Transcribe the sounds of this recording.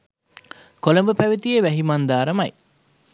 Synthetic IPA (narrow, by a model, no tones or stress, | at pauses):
koləmbəpæʋit̪ijeʋæɦimand̪aːɾəmaj